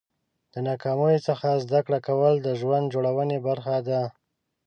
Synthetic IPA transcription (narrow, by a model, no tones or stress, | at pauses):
d̪̥ənɑkɑmujot͡səxazd̪akɽakawəld̪əʒwand̪̚d͡ʒoɽawənebaɾxad̪a